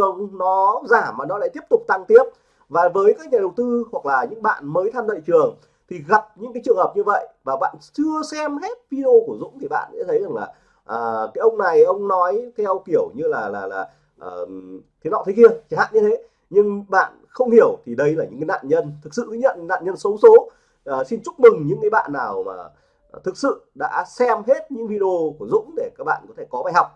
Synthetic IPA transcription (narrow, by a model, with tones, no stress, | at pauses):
ə˨˧wŋ͡mnɔ˨˦zaː˧˩maː˨˩nɔ˨˦la̰ː˧˥t̪i˦˥əp̚t̪ʊ˨˩k͡p̚t̪a˧ŋt̪i˨˦˥əp̚ | vaː˨˩vəː˨˦jkaː˨˦˥k̚ɲaː˨˩ɗə˨˩wt̪ɨ˧hwa˨˩k̚laː˨˩ɲɨ̰˧˥ŋɓa̰ː˧˨nməː˨˦jt̪ʰaː˧mlə̰ː˧˨jt͡ɕɨ˨˩əŋ | t̪ʰi˨˩ɣa˨˩p̚ɲɨ̰˧˥kaː˨˦t͡ɕɨ˨˩əŋhə˨˩p̚ɲɨ˧və̰˧˨jʔvaː˨˩ɓa̰ː˧˨nt͡ɕɨ˧əsɛ˧mhɛ˦˥t̚vi˧ɗo˧ku˧˩əzʊ̰˧˥ŋ͡mt̪ʰi˨˩ɓa̰ː˧˨nsɛ̰˧˥t̪ʰə˨˦jza˨˩ŋlaː˨˩ | ʔəː˨˩kaː˨˦jʔə˧wŋ͡mna˨˩jʔə˧wŋ͡mnɔ˨˦jt̪ʰɛ˧wki˧˩əwɲɨ˧laː˨˩laː˨˩laː˨˩ | ʔəː˨˩t̪ʰi˨˦nɔ̰˧˨˩t̪ʰe˨˦ki˧ət͡ɕa˧˩ha̰ː˧˨nɲɨ˧t̪ʰe˨˦ | ɲɨ˧ŋɓa̰ː˧˨nxə˧wŋ͡mhi˧˩əwt̪ʰi˨˩ɗə˧jlaː˨˩ɲɨ̰˧˥ŋkaː˨˦na̰ː˧˨nɲə˧nt̪ʰɨ˨˩k̚sɨ̰˧˨t̪i˨˦ɲə̰˧˨n˧na̰ː˧˨nɲə˧nsə˨˦wso˨˦ | əː˨˩si˧nt͡ɕʊ˦˥k͡p̚mɨ˨˩ŋɲɨ̰˧˥ŋkaː˨˦jɓa̰ː˧˨nːaː˨˩wma̰ː˨˩ | t̪ʰɨ˨˩k̚sɨ̰˧˨ɗa̰ː˧˥sɛ˧mɦe˦˥t̚ɲɨ̰˧˥ŋvi˧ɗə˧o˧ku˧˩əzʊ̰˧˥ŋ͡mɗe˧˩kaː˦˥k̚ɓa̰ː˧˨nkɔ˨˦t̪ʰe˧˩kɔ˨˦ɓaː˧˩jha˨˩wk͡p̚